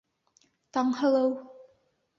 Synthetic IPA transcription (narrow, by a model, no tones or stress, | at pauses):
t̪ɑŋhɤ̆lˠɤw